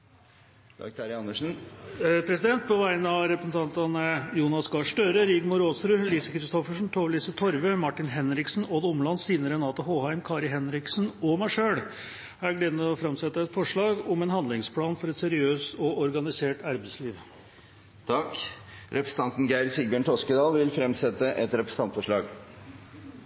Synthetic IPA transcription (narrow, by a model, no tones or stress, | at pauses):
t̪ʰɑ̰kt̪ʰɑɾɪɑnːəʂn̩pʰɾɛsɪd̪ɛnt̪̚pɔʋæɪnəɑʋɾɛpɾəsn̩t̪ʰɑnt̪ɑnəjuːnɑsɡɑʂʈøɾəɾɪɡmʊɾoːst̪ɾʉːliːsəkɾɪst̪ɔfəʂn̩t̪ʰoːʋliːsət̪ʰɔɾʋəmɑʈːɪnɦɛnɾɪksn̩oːd̪əʊmlɑnːsiːnəɾənɑːt̪ɔɦoːhɑɪmkʰɑːɾɪɦɛnɾɪksnɔmæɪʂøːɽ | hæɡleːd̪nɔfɾɑmsɛt̪ːəɛt̪fɔʂɭɑːɡɔmɛnhɑnd̪lɪŋspʰlɑːnfɔɾɛt̪sɛɾɪøːst̪ɔʔɔɾɡɑnɪseːʈɑɾbəsliːʋ | t̪ʰɑkɾɛpɾəsəɑnt̪n̩ɡæɪɾsɪɡbjøːɳt̪ʰɔskəd̪ɑːlʋɪlfɾɛmsɛt̪ːəʔɛt̪ɾɛpɾəsə̥ɑnt̪fɔʂɭɑːɡ